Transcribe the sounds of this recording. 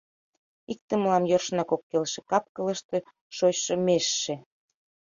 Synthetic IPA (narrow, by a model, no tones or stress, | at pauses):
ik̚t̪ə̆məlɑmjorʃnɑkokːelʃĕkɑp̚kələ̆ʃt̪e̽ | ʃot͡ɕʃɤ̆meʃːe